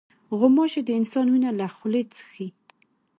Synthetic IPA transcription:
ɣʊmɑʃed̪əɪnsɑnunalaxʊlet͡sə̥xi

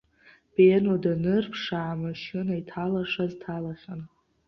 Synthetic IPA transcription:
b̥enodanɨrpʰʂaʕamaʃɪnaitʰalaʂaztʰalaχʲan

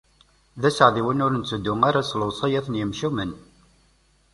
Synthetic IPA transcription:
ðæsəʕðiwənʊɾənt͡sːəd̪ːʊmaɾaslʊsˤɑjæθənjəmʃumən

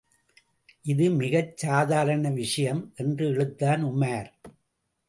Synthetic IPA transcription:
ʔɪðɯmɪɣɐt͡ʃːaːðaːɾɐnɐʋɪʂɐjɐmʔɛndrɯɛɻɯt̪ːaːnʊmːaːɾ

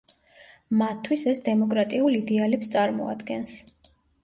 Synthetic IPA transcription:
mat̪ʰːwisɛsd̪ɛmɔkʼɾat̪ʼiulid̪ɛalɛpst̪sʼaɾmɔa̰d̪ɡɛns

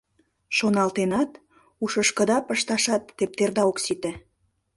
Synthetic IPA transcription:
ʃonɑlt̪enɑt̪ | uʃəʃkə̆d̪ɑpəʃt̪ɑʃɑt̪ːep̚t̪erd̪ɑoksit̪e

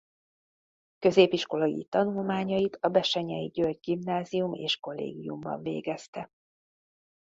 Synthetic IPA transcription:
kø̞zeːpiʃko̞lɒɡḭt̪ɒnulmaːɲɒjit̪ɒbɛʃɛɲɛjiɟølɟɡimnaːzijumḛːʃko̞lːḛːɡijumbɒ̰ɱvḛːɡɛst̪ɛ

